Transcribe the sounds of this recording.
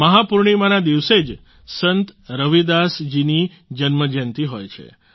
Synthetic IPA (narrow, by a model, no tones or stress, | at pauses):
məɦapuɾɳ̃imanad̪iʋsed͡ʒ | sənt̪ɾəʋid̪asd͡ʒini | d͡ʒənməd͡ʒənt̪iɦojt͡ʃʰḛ